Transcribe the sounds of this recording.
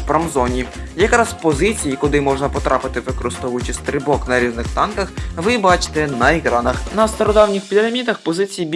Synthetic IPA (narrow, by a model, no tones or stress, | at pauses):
pɾɐmzɔnʲijɐkɾɑspɔzɪt͡sʲijikʊd̪ɪmɔʒnɐpɔt̪ɾʔɑpɪt̪ɪʋɪkɔɾɪst̪ɔʋʊjʊt͡ʃɪsʲt̪ɾɪbɔknɐɾʲiznɪxt̪ɑnkɐxʋɪbɑt͡ʃɪ̥t̪ɛnɐɪkɾɑnɐxnɐst̪ɔɾɔd̪ɑwnʲixpʲid̪ɾɐmʲit̪ɐxpɔzɪt͡sʲijibʲ